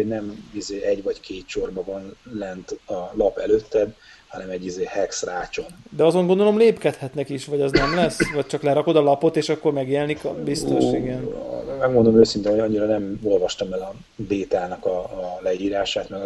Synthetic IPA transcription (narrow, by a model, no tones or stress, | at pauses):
oɟnɛmizeːɛɟvɒckʰeːt̪ʃo̞rbɒvɒnlɛnt̪ɒlɒpɛløt̪ːɛd̪ | hɒnɛmɛɟːizeːhɛksraːt͡ʃo̞nd̪ɛɒzoŋɡo̞nd̪olo̞mleːpkɛt̪hɛt̪nɛkiʃʋɒɟɒznɛmlɛsːvɒc̚t͡ʃɒklɛɾɒko̞d̪ɒlɒpo̞t̪eːʃɒkːo̞rmɛɡjelnikbist̪o̞ʃiɡɛnmɛɡmo̞nd̪omøːsint̪ɛnhoɒɲːiɾɒnɛmo̞lvɒʃt̪ɒmɛlɒ | beːt̪aːnɒkɒlɛiːɾaːʃaːt̪mɛɡ